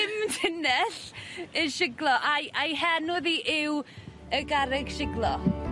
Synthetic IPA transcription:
ɪmtʰɪnɛɬəʃɪɡlˠɔʔajʔajɦɛnʊðiʔɪw | əɡaɾɪɡʃɪɡlˠɔ

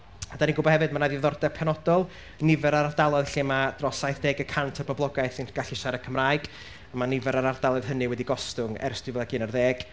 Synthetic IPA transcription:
adaniɡʊbɔhɛvɨdmanaðiðɔrdɛpʰɛnɔdɔlˠ | nɪvɛɾaɾardalˠɔðɬimad̥rɔsajθd̥eːɡəkʰantʰərbɔblˠɔɡajθɪnɡ̥aɬiʃaɾəkʰəmraːjɡ̥ | manɪvɛɾaɾard̥alˠɔð̥ɦənɨwɛdiɡɔstʊŋɛ̰ɾrsd̥wɪvɛðaɡɨnarðeːɡ̥

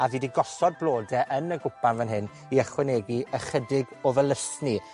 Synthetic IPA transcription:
aviːdiɡɔsɔd̚blˠoːdɛʔənəɡʊpanvənɦɪn | iəχwɛneɡiʔəχədɪɡɔvəlˠəsni

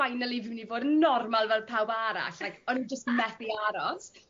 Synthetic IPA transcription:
ajnɛlˠivɪmnivoːdənːɔrmalˠvɛlˠpʰawbaɾa̰ɬlajkʰɔnid͡ʒəstmɛθiaɾɔs

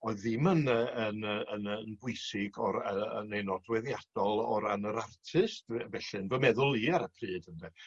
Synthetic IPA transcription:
ɔɨðɪmənəənəənənbʊɨsɪɡɔɾəənejnɔdwɛðjad̥ɔlˠɔɾanəɾartʰɨstvɛɬɨnvəmɛðʊlˠiaɾəkʰrɨːd̥əndɛ

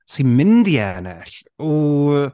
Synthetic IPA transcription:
simɪndiɛnɛɬɔ

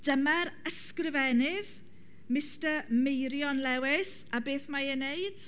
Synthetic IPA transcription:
d̥əmaɾəskrɪvɛnɪð | mɪstəmejɾjɔnlɛwɪs | abeːθmajənejd̥

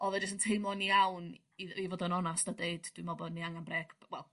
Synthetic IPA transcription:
ɔðɛd͡ʒɪstəntʰejmlˠɔniawn | iðivoːdənɔnasdadeɨd̥d̥wimɔbɔdniaŋanbrɛɡ̥wɛlˠ

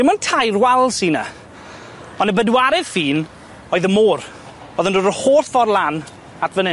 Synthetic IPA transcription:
ɪmɔntʰajrwalˠsina̰ | ɔnəbədwaɾɛð̥fiːn | ɔɨðəmoːr | boːðəndodəhoːrθfɔrlˠan | atʰvənɪ

